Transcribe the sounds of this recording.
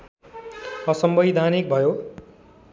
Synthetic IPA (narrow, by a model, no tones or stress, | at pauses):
ʌsʌmbʌjd̪ʱanik̚bʱʌjo